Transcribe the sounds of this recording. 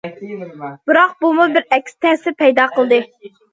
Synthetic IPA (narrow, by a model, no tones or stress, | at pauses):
b̥ɨɾɑq̚bumubɪɾɛkʲst̪ʰɛsɪpʰɛjd̪ɑːqəlˠd̪ɨ